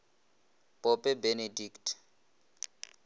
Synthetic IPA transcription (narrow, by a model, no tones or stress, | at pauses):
pʼɔpʼɛbenediktʰ